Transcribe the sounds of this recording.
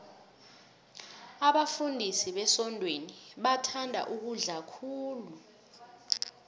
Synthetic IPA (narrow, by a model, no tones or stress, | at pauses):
aɓafundʱisiɓɛsɔndʱweniɓatʰandʱa̰ʔuk̬uɮakʰuːlu